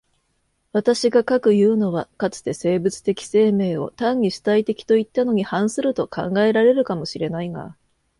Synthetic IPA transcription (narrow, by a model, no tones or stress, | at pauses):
βat̪aɕiɡakakɯ̟jɯ̟ːno̞β̞akat͡sɨ̥t̪e̞se̞ːbɯ̟t͡sɨ̥t̪e̞kʲi̥se̞ːme̞ːo̞̰t̪ãɲʲːiɕi̥t̪ait̪e̞kʲi̥t̪o̞it̪ːano̞ɲ̟ihãɰ̃sɨɾɯ̟t̪o̞kʰã̰ŋɡae̞ɾaɾe̞ɾɯ̟kamo̞ɕiɾe̞naiŋa̰